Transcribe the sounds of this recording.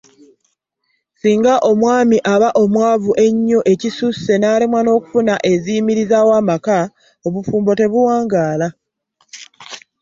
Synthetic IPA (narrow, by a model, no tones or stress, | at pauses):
siːŋɡaʔo̞mwaːmiʔaβaʔo̞mwaːvuʔe̞ɲːoʔe̞cisuse̞naːlimwano̞ːku̥funaʔe̞ziːmiɾizawaːmaka | o̞βufuːmbo̞te̞βuwaːŋɡaːla